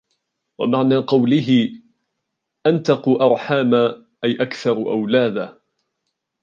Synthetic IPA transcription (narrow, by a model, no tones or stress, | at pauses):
wa̰maʕnaːqɑwlɪɦɪ | ʔant̪ɑqʊʔɑɾˤħaːma | ʔajʔakθɑɾˤʔa̰wlaːd̪a